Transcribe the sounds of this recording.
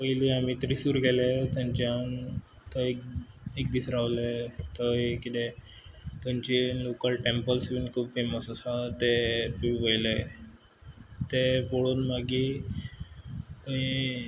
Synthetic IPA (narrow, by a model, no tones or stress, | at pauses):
pəjliamit̪əɾisuːɾkelet̪ãɲt͡ɕean | t̪ək | ek̚d̪isɾaʋlet̪əikit̪e | t̪əɲt͡ɕilokəlʈempəlsbinkʰuːbfeməsɔsat̪epipəjle | t̪epoɽuːnmaɡi | t̪əɦi